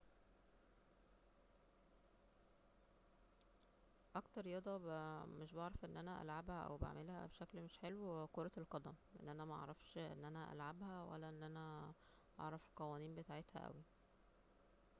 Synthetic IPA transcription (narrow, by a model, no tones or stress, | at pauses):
ʔɑkt̪ɑɾˤjɑd̪ˤɑbmeʃbɑʕɾˤɑfʔenːʔænæʔæ̰lʕabhæʔæ̰wba̰ʕmelhæ̰beʃæklmeʃħelwekoɾˤɑelqɑd̪æmʔḛnːʔænæmæʔɑ̰ʕɾˤɑfʃʔḛnːʔænæʔæ̰lʕabhæwæ̰lːæʔenːʔænæ | ʔɑ̰ʕɾˤɑfqɑwæːniːmbet̪aːʕet̪hæ̰ʔæ̰wi